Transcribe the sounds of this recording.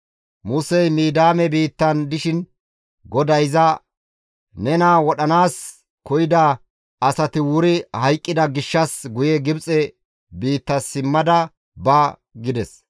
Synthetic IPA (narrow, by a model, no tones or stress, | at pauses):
mʊsɛjmiːd̪aːmɛbiːt̪ːɐnd̪ɪʃɪn | ɡɔd̪ɐjzɐ | nɛnaːwɔɗɐnaːs | kɔjɪd̪ɐ | ɐsɐt̪ɪwʊɾɪhɐjkʼːɪd̪ɐɡɪʃːɐsɡʊjɛɡɪbt͡sʼɛ | biːt̪ːɐsɪmːɐd̪ɐ | bɐɡɪd̪ɛs